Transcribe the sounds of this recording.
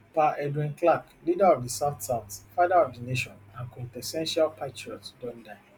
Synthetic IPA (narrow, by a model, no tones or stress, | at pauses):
paʔɛdwĩnklak | lidaɔvdisaʊtsaʊtfaɪdaɔvdineʃɔ̃nãnkɔ̃npɛsɛ̃nʃalpʰatɹiɔtdɔ̃nda